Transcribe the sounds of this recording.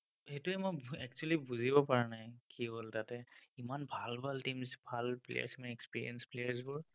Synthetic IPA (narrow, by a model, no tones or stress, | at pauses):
hetʊɛmojɛk̚t͡ʃualibuzibɔpaɹanajkiɦoltatɛimanbʱalbʱaltimsbʱalplḛja̰ɹsimanɛkspiɹḭɛnsplejaɹs̬bʊɹ